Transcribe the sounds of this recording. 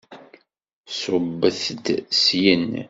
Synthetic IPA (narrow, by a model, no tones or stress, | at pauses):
sʊbːəθd̪sjən